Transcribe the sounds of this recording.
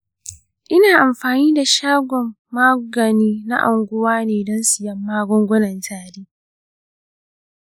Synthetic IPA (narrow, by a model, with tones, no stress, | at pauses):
ʔɪ˦naː˨ʔa˨mɸaː˨niː˦da˨ʃaː˦ɡʷɔ˨mːaː˦ɡɐ˨niː˦na̰˦ʔa˨ŋɡʷʊ˦waː˦neː˨dɔ˦nsɪ˨jɐ˦mːaː˦ɡʷɔ˦ŋɡʷɔ˦nɐ˨ntaː˦ɾiː˦